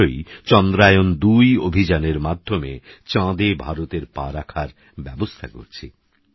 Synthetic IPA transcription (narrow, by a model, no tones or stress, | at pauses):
ojt͡ɕɔnd̪ɾajond̪ujobʱid͡ʑaneɾmad̪ʱːomet͡ɕãd̪ebʱaɾot̪eɾpa̰ɾakʰaɾ | bɛbost̪ʰako̰ɾt͡ɕʰḭ